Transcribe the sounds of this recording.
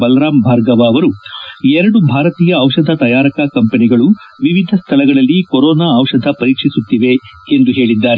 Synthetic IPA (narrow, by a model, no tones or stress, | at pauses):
bɐlɾaːmbʱaːɾɡɐʋaːʋɐɾuɛɾɐɽubʱaːɾɐt̪iːjɐːʋʂɐd̪ʱɐt̪ɐjaːɾɐkɐkɐmpɐniɡɐɭu | ʋiʋid̪ʱɐst̪ʰɐlɐɡɐɭɐlːikoɾɔːnaːɐʋʂɐd̪ʱɐpɐɾiːkʂisut̪ːiʋe̞end̪uɦe̞ːɭid̪ːaːɾe